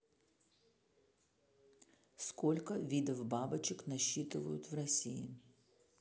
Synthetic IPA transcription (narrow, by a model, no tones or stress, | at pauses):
skɔlʲkɐʋʲid̪ɐwbɑbɐt͡ʃɪknɐʃːit̪ɪʋɐjʊt̪ʲwrɐsʲijḭ